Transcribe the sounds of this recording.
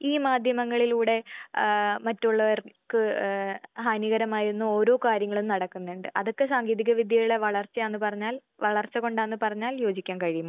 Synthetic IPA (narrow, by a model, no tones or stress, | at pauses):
iːmaːd̪ʱjɐmɐŋːɐɭiluːɽe̞ | mɐtːuɭːɐʋɐrkɨ | ɦaːniɣɐɾɐmaːjiɾunːuo̞ːɾo̞ːkaːɾjɐŋːɐɭumnɐɽɐkːunːeɳɖɨʔɐðo̞kːe̞saːŋɡiːðiɣɐʋid̪ʱjɐjuɭeʋɐɭɐrt͡ɕːɐjanːɨpɐrɐɲːaːl | ʋɐɭɐrt͡ɕːɐko̞ɳɖaːnːɨpɐrɐɲːaːljo̞ːd͡ʑikʲːaːnkɐɻijumː